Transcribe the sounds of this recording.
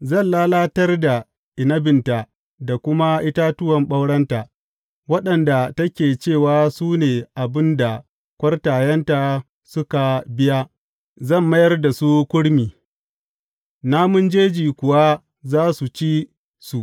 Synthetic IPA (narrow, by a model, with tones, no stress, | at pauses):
zɐ˦˨nlaː˦laː˦tɐ˦rda˨ | ʔɪ˨nɐ˦bɪ˨nta˨ | da˨kʷʊ˦ma˦ʔɪ˦ta˦tʊ˦wɐ˨mɓɐ˦wɽɐ˦nta˨ | wɐ˦ɗɐ˨nda˨tɐ˦kʲeː˨t͡ʃeː˦˨waː˦suː˦neː˨ʔa˨bɪ˦nda˨ | kʷɐ˦rtaː˨jɐ˦nta˨ | sʊ˦ka˨bɪ˦ja˦ | zɐ˦˨mːɐ˦jɐ˦rda˨su˦kʷʊ˦ɽmiː˨ | naː˦mʊ˦nd͡ʒeː˦d͡ʒiː˨kʷʊ˨wa˦ | zaː˦su˨t͡ʃi˦ | su˨ʔ